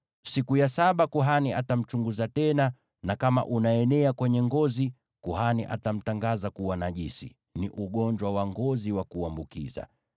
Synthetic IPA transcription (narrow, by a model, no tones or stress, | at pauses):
sikujasaɓakuɦaniatam̩t͡ʃuŋɡuzatɛna | nakama̰ʔunaɛnɛakwɛɲɛŋɡɔzi | kuɦaniʔa̰tam̩taŋɡazakuwanaʄisḭ | niʔuɠɔɲd͡ʒwawaŋɡɔziwakuambukḭza̰